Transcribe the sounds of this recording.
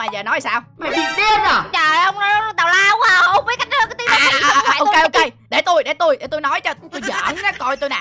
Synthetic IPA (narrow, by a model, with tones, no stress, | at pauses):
aː˧˩zəː˨˩nɔ˨˦ja˨˩saː˧wma˨˩t͡ɕi˨˩ɗi˧ənə˨˩t͡ɕəː˨˩˨hə˧wŋ͡mnɔ˨˦˨t̪aː˨˩wlaː˧ə˧˦ŋ͡ma˧˩˧ə˧wŋ͡mvi˨˦ka˦˥j̟̚kɔ˧˦t̪iː˨˦˧ʔo˧ke˧jʔo˧ke˧jɗe˧˩t̪u˧jɗe˧˩t̪u˧jɗe˧˩t̪o˧jnɔ˨˦jt͡ɕɔ˧˦t̪u˧jzə̰ː˧˨na˨˦kɔ˧jt̪u˧jna̰˨˩